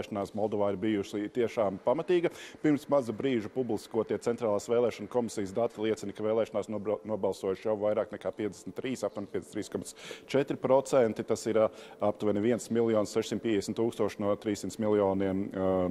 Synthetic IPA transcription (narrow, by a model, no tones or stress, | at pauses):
ɛʃnaːsmɔlˠd̪ɔvaːɪɾbijuʃit̪iɛʃaːmpamat̪iːɡɐpiɾmsmazabɾiːʒupublˠiskuɔt̪iɛtsɛnt̪ɾaːlˠaːsvɛːlˠɛːʃɔnkɔmisijəsd̪at̪ilˠiɛt̪sinikavɛːlˠɛːʃɔnaːsnnuɔbalˠsuɔjuʃjawvajɾaːknɛkaːpiɛd̪e̥sʲmʲt̪ːɾiːsapt̪uɔnʲpiɛst̪ɾiːskɔmat̪st͡ʃɛt̪ɾipɾɔt̪sɛnt̪it̪asiɾap̚t̪uvɛniviɛnsmilˠjɔːnssɛʃsimt̪piɛd̪esmʲt̪uːkst̪uɔʃnuɔt̪ɾiːsimt̪smilˠjɔːniɛm